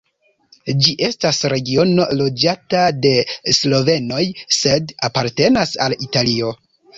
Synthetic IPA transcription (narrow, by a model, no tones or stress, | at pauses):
d͡ʒiʔe̞stasɾe̞ɡio̞no̞lo̞d͡ʒatade̞slo̞ve̞no̞jse̞dapaɾte̞nasalitalio̞